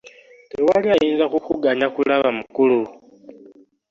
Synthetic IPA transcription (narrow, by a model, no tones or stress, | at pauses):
tewaliajiːnzakukuɡaɲakulaβamukulu